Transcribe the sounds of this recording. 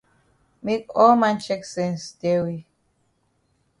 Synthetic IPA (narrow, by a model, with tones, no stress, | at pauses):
mi˦kɔ˦mã˦nt͡ʃɛ˦ksɛ̃˨nsde˦wi˦